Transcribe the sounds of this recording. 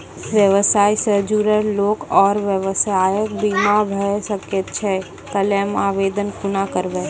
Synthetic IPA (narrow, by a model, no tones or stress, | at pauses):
ʋjəʋəsaːjsəd͡ʒuɾəɾloːkɔːɾʋjəʋəsaːjək̚bimabʱəesəket̪t͡ʃʰɛ | t̪əlemaːʋeːd̪ənkʊnakəɾʋe